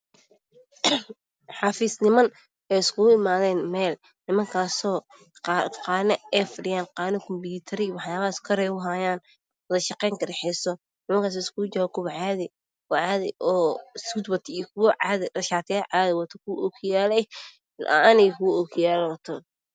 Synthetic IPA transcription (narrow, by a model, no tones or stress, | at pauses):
ħɑːfiːsnɪmɐn | ɛjɪskʰʊɣʊɪmaːðɛːnmɛːl | nɪmɐŋkʰaːsɔː | qɑːnɐɛfɖɪjaːnqɑːnɐkʰɔmbuːt̪ʰɐɾɪwɑħjaːβɐaskʰɔɾɛʊɦaːjaːn | wɔðɐʃɐqɛjŋkɐɾɛħɛsɔ | nɪmɐŋkʰaːs̬ɔːɪskʊd͡ʒɐwɐkʰʊwɐʕaːðɪ | ɔʕaːðɪ̰ʔɔːskʊd̪wɐt̪ʰikʰʊwɔʕaːðɪɖɐʃaːt̪ʰɛːʕaːðɪwɐt̪ʰɔkʰʊwʔɔkʰjaːlɛj | nʔa̰nɛjkʰʊwɔɔkʰjaːlwɐt̪ʰɔ